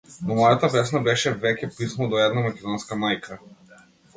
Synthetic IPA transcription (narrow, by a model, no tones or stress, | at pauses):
nɔmɔjat̪apɛsnabɛʃɛvɛcʲɛpismɔd̪ɔɛd̪namakʲɛd̪ɔnskamajkʰa